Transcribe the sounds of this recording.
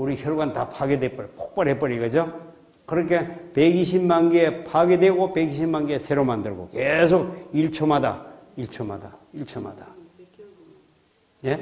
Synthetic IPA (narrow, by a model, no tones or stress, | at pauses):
uɾiçjʌɭɡwantapʰaɡedwep͈ʌɾiko̥k̚p͈ʌɾɦep̬͈ʌɾiɡɯd͡ʑo | kɯɾʌkʰe̞pe̞ɡiɕ̬ʰimmaŋɡiepʰaɡe̞dwe̞ɡopeɡiɕʰimːaŋɡiesʰe̞ɾomandɯɭɡo̰ke̞s̬ʰoɡ̚iɭt͡ɕʰomada̰iɭt͡ɕʰoma̰da̰iɭt͡ɕʰoma̰da | je